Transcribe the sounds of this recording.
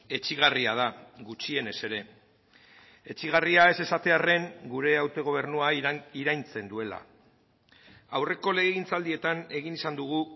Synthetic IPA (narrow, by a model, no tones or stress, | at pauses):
e̞t͡ʃiɣ̞ariað̞aɣut͡ʃie̞ne̞se̞ɾe̞ | et͡ʃiɣ̞ariae̞se̞sat̪e̞are̞ŋɡuɾe̞awt̪e̞ɣ̞o̞β̞e̞rnuaiɾajnt͡se̞nd̪ue̞la̰ | awre̞ko̞le̞ɣeɣint͡sald̪ie̞t̪ane̞ɣ̞inisand̪uɣ̞u